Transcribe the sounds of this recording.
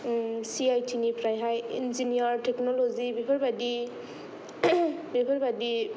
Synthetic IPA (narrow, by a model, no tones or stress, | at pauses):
siajtʰinipʰɾajɦajinziniaɾtʰɛknɔlɔzibepʰaɹbadi | bepʰaɹbadi